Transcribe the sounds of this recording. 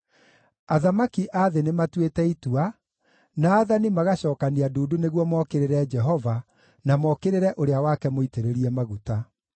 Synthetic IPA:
aðamakiʔaðenematwetɛitua | naːðanimaɣaɕɔːkaniaduːduneɣwɔmɔkeɾeɾɛd͡ʒɛɦɔva | namɔkeɾeɾɛʔoɾeawakɛmoiteɾeɾiɛmaɣuta

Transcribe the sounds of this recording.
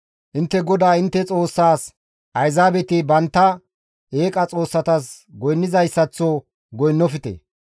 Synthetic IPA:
ʔɪnt̪ːɛɡɔd̪aːɪnt̪ːɛt͡sʼo̞ːsːaːs | ʔɐjzaːbɛt̪ɪbɐnt̪ːɐ | eːkʼɐt͡sʼo̞ːsːɐt̪ɐs | ɡɔjnːɪzɐjsːɐt͡sːɔ | ɡɔjnːɔfɪt̪ḛ

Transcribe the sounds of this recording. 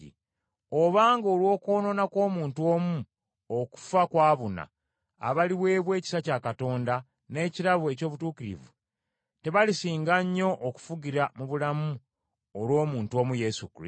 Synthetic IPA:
ḭ | o̞βaːŋɡolwo̞ːko̞ːno̞nakwo̞ːmuːntuo̞ːmu | oku̥fakwaːβuna̰ː | βaliβwe̞ːβwe̞ːci̥sacakato̞ːnda | ne̞ːciɾaβue̞coːβutuːkiɾḭvṵ | te̞βalisiːŋɡaɲːo̞ʔːku̥fuɡiɾamuβulamu | olwo̞ːmuːntwo̞ːmuje̞sukḭ

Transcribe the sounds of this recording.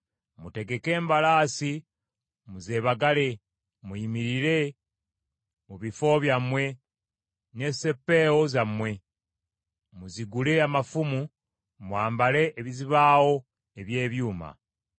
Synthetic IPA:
mute̞ɡe̞ke̞ːmbalaːsi | muze̞ːβaɡale̞ | muimiɾiɾe̞ | muβifo̞βjamwe̞ | ne̞se̞pːe̞ːwo̞zamwe̞ | muziɡule̞amafumu | mwaːmbale̞ʔːβiziβaːwo̞ | eβje̞ːβjuːma̰

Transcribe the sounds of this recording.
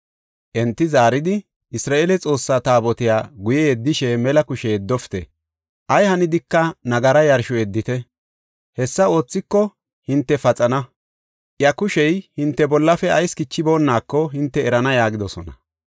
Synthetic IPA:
ʔɛnt̪ːɪzaːɾɪd̪ɪ | ʔɪsɾaːʔeːlɛt͡sʼo̞ːsːaːt̪aːbɔt̪ɪjaːɡʊjɛɛd̪ːɪʃɛmɛlɐkʊʃɛjd̪ːɔft̪ɛ | ʔɐjhɐnɪd̪ɪkːɐnɐɡɐɾɐjɐɾʃʊɛd̪ːɪt̪ɛ | hɛsːɐo̞ːt͡sːɪkːɔ | hɪnt̪ːɛfɐt͡sʼɐnɐ | ʔjɐkʊʃɛjhɪnt̪ːɛbɔlːɐfɛɐjskɪt͡ʃːɪbo̞ːnːaːkːɔɦɪnt̪ːɛːɾɐnɐjaːɡɪd̪ɔsɔnɐ̰

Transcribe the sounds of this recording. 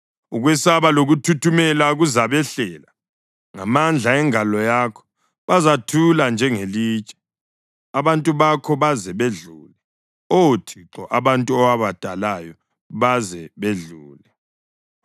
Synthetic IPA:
uɣwɛsaβaloɣutʰutʰumɛlaɣuzaβɛɬɛːla | ŋamand͡ɮʱaɛŋalɔjakʰɔ̥ | βazatʰuland͡ʒʱɛŋeliːt͡ʃʼɛ̥ | aβantʼuβakʰɔβazɛβeɮuːlɛ | otʰiǁɔʔaβantʼuɔwaβad̥ʱalajɔ | βazɛβeɮuːlɛ

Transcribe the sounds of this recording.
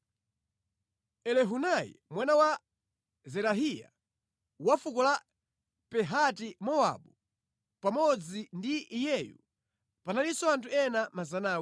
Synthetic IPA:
ɛlɛɦunajḭmwanawa | zɛɾaɦija̰ | wafukɔla | pɛɦatimɔwa̰ɓu | pamɔd͡zindiːjɛjṵ | panalisɔantʰuɛnamazanaːw

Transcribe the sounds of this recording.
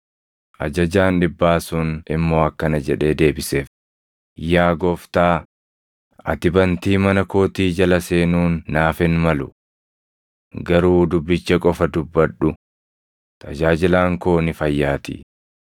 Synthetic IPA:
ʔɐ̰d͡ʒɐd͡ʒaːnᶑɪbːaːsʊnʔɪmːo̞ːɐkːɐnɐd͡ʒɛᶑe̞ːd̪e̞ːbɪse̞ːf | jaːɡɔft̪aː | ʔɐt̪ɪbɐnt̪iːmɐnɐkoːt̪iːd͡ʒɐlɐse̞ːnuːnːaːfɪnmɐlʊ | ɡɐɾuːd̪ʊbːɪt͡ʃːɐkʼɔfɐd̪ʊbːɐᶑʊ | t̪ʰɐd͡ʒaːd͡ʒɪlaːŋko̞ːnɪfɐjːaːt̪ɪ̰

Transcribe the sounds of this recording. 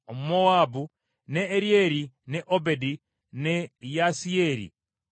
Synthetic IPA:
omumowaːbu | neːɾjeɾineʔobedi | nejasieɾḭ

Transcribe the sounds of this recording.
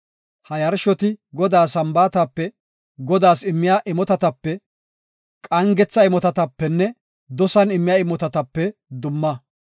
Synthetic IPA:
hɐjɐɾʃɔt̪ɪɡɔd̪aːsɐmbaːt̪ɐpːɛ | ɡɔd̪aːsɪmːɪjaʔɪmɔt̪ɐt̪ɐpːɛ | kʼɐŋɡɛt͡sːɐɪmɔt̪ɐt̪ɐpːɛnːɛ | d̪ɔsɐnɪmːɪjaːɪmɔt̪ɐt̪ɐpːɛd̪ʊmːɐ

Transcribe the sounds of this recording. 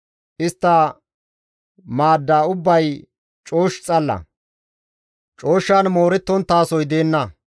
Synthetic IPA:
ʔɪst̪ːɐ | maːd̪ːaːʊbːɐj | t͡ʃʼo̞ːʃt͡sʼɐlːɐ̰ | t͡ʃʼo̞ːʃːaːnmo̞ːɾɛt̪ːɔnt̪ːaːsɔjd̪e̞ːnːɐ

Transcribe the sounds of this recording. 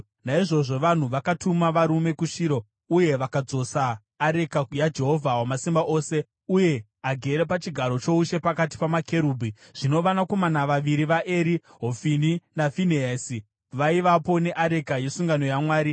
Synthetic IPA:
naiʐo̞ʐo̞ʋan̤uʋakatʰumaʋaɾume̞kuʃiːɾo̞ | uje̞ʋakad͡zo̞saː | ɾe̞kajad͡ʒe̞ɦo̞vʱawamasimbaʔo̞ːse̞ | uje̞ | aɡʱe̞ɾe̞pat͡ʃiɡʱaɾo̞t͡ʃo̞uʃe̞pakat̬i̥pamakʰe̞ɾuːbʱiʐ̥ino̞ʋanako̞manaʋaʋiɾiʋaʔeːɾi | ɦofininafineesi | ʋaiʋapo̞ne̞ʔaɾe̞kaje̞suŋɡano̞jamwaːɾi

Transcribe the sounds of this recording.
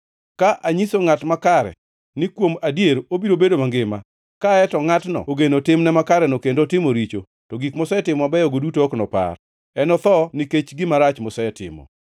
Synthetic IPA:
kaʔaɲisoŋatmakaɾɛ̰ | nɪkwomadjeɾobiɾobedomaŋɡɪma | kaɛtɔŋatnɔ̰oɡenotɪmnɛmakaɾɛnokendotɪmoɾit͡ʃo | tɔɡikmɔsɛɛtɪmɔabɛjɔɡodutoːknɔpa̰r | ɛnɔt̪ɔnɪket͡ʃɡɪmaɾat͡ʃmɔsɛɛtɪ̰mɔ̰

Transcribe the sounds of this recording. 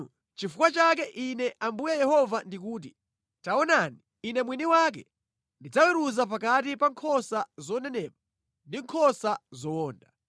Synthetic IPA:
t͡ʃifukwat͡ʃak̬ɛʔinɛʔambujajɛhɔvandik̬uːt̬i | taɔnaniːnɛmwiniwak̬ɛ̰ | ndid͡zawɛɾuzap̬akatipaŋkʰɔsazɔnɛnɛːma | ndiŋkʰɔsazɔɔːnda

